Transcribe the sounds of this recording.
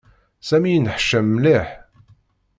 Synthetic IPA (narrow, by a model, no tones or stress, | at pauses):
sæmijnħʃːəmːliħ